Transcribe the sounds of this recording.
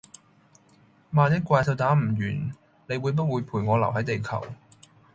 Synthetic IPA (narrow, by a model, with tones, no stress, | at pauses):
maː˨njɪ˥kʷaː˧jt̪ʰɐ˧wt̪aː˨˥m̩˨˩ɥyː˨˩n | ne˨˧jwuː˨˧jp̬ɐ˥t̚wuː˨˧jpʰuː˨˩jŋɔː˨˧lɐ˨˩wɦɐ˨˥jt̪e˨jkʰɐ˨˩w